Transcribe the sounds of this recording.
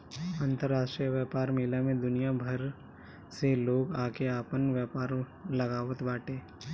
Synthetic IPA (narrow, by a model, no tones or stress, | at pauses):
ãːnt̪əɾːaːʃʈɾijəʋjɛːpaːɾmɪlamẽd̪ʊnijabʱəɾ | seloːɡaːkeaːpənʋjɛːpaːɾ | lɐɡaːʋət̪baːʈeː